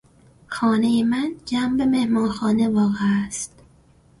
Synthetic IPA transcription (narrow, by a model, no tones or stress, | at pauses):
xɒːnejemænd͡ʒæmbeme̞hmɒːxɒːne̞vɒːɣeæst̪